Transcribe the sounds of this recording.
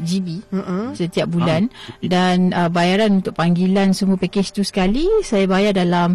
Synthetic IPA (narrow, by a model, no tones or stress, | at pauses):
d͡ʒibisət̪iap̚bulandanəbajaɾanunt̪ʊk̚paŋɡilansəmuapɛkest̪usə̥kalisajabajardalam